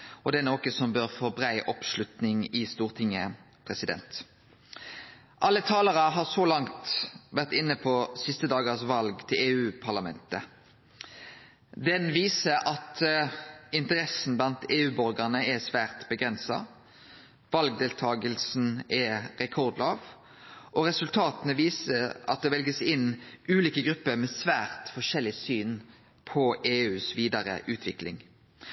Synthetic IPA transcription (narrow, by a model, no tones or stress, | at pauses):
ɔd̪ɛɛnoːkəsɔmbœʁfoːbʁæɪʔɔpʃlʉt̪nɪŋɪst̪uːʁt̪ʰɪŋːə | pʰʁɛsɪd̪ɛ̰nt̪ | ʔɑlːət̪ʰɑːləʁəɦɑʁsɔlɑŋt̪ʋæʁt̪ɪnːəpʰɔsɪst̪əd̪ɑːɡəʁsʋɑlɡt̪ʰɪleːʉːpʰɑʁlɑmɛ̰nt̪ə | d̪ɛnʋiːsəɾʔɑt̪ | ɪnt̪əʁɛsn̩blɑnt̪eːʉːbɔɾɡɑnəɛsʋæːʁt̪bəɡɾʁɛnsɑ̰ | ʋɑlɡd̪eːlt̪ʰɑːɡəlsn̩ɛʁɛkʰɔʁd̪loːʋ | ʔɔʁɛsʉlt̪ʰɑːt̪ənəʋiːsəɑ̰t̪̚d̪ɛʋɛlɡəsɪnʉːliːkəɡɾʉpːəɾmɛsʋæːʁt̪fɔʂɛlːɪsyːn | pʰɔʔeːʉːsʋiːd̪ɑɾə̰ʔʉːt̪ʰʋɪklɪ̰ŋ